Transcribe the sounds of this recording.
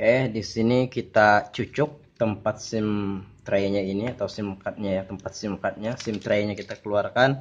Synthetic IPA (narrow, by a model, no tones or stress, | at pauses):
ɛhdisinikit̪at͡ʃut͡ʃʊk̚t̪əmpat̪̚sɪmt̪ɾajɲainiat̪awsimkat̪̚ɲajat̪əmpat̪̚simkat̪̚ɲasɪmt̪ɾajɲakit̪akəluarkan